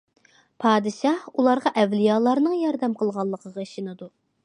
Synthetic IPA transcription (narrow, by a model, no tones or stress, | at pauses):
pʰɑːd̪ɨʃɑhulˠɑɾʁɑʔɛvlijɑːlˠɑɾnɨŋjɑɾd̪ɛmqʰəlˠʁɑlˠːəqʰəʁɑiʃinɨd̪u